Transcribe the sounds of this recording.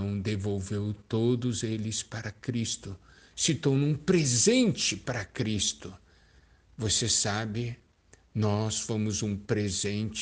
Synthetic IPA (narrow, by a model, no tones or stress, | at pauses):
w̃d̪evowvewt̪od̪ʊzelɪspaɾɐkɾist̪ʊ | sɪt̪onũũpɾezẽnt͡ʃɪpaɾɐkɾist̪ʊ | vosesabɪ | nɔsfõmʊzũpɾezẽnt͡ʃ